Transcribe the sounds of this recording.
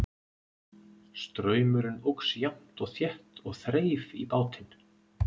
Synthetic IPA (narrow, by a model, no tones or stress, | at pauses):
st̪ɾœːɥmʏɾɪnowksjam̥t̪ɔɣθjɛht̪ɔɣθɾeːjvipaːwt̪ɪn